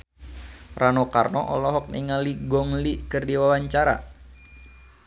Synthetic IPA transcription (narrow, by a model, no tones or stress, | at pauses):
rʔanɔkarnɔʔɔlɔɦɔk̚niŋaliɡɔŋlikərdiwawaɲt͡ʃaɾa̰